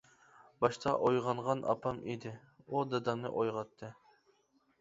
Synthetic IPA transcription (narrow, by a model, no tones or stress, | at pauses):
bɑʃt̪ʰɑʔojʁɑɴʁɑnʔɑ̰pʰɑmid̪ɪ | ud̪ɑd̪ɑmnɨ̰ʔojʁɑt̪ʰːɨ